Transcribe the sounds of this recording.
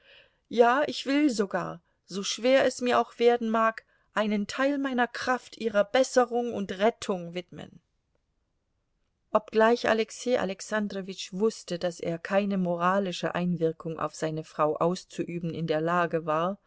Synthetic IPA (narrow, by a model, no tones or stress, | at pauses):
jaːɪçv̥ɪlzoɡa̰ːɐ | zoːʃv̥eːɐɛsmiːɐʔaʊxv̥eːɐdn̩maːk | ʔaɪnəntʰaɪlmaɪnɐkʁ̥aftʰʔiːʁɐbɛsəʁʊŋʊntʁɛtʰʊŋvɪtmə̰n | ʔɔp̚ɡ̥laɪça̰lɛkseːʔa̰lɛksandʁovɪt͡ʃv̥ʊstəd̥asḛːɐkʰaɪnəmoʁaːlɪʃə̰ʔaɪnvɪɐkʰʊŋʔa̰ʊfz̥aɪnəfʁ̥aʊʔaʊst͡suʔyːbn̩ɪndeːɐlaːɡəvaːɐ